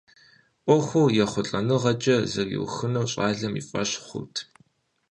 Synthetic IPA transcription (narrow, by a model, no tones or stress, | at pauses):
ʔʷɔxʷuwjɛχʷʊɬʼɐnɨʁɐt͡ʃʼɐzɐrjɪ̰wxɨnɐwɕʼaːɮɐmḭfʼɐ̰ɕχʷʊ̰tʰ